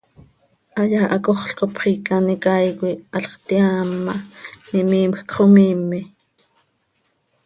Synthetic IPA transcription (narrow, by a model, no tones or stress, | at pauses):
ʔɑjɑːʔɑkoχɬkopχiːkɑnikɑjkʷiʔɑɬχt̪iɑːmːɑnimiːmxkχomiːmːi